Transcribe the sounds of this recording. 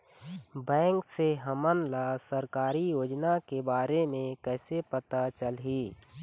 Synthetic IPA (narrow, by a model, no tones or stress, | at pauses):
bɛ̃ːŋkseɦəmənlasəɾkaːɾijoːd͡ʒnakebaːɾemẽkɛːsepət̪at͡ʃəlɦiː